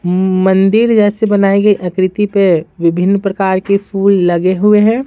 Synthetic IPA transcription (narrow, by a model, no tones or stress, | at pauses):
mə̃nd̪ɪɾd͡ʒɛːsebɐnaːiɡɐiʔɐkɾɪt̪ipeʋɪbʱɪnːpɾɐkaːɾkepʰuːlːɐɡeɦʊeɦɛ̃